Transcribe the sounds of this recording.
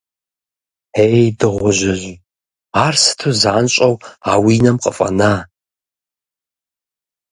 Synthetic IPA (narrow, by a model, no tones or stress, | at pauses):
ejdɨʁʷʊʒɪʑ | aːrsɨ̥tʰuzaːnɕʼɐwaːwiːnɐmqʼə̰fʼɐ̰naː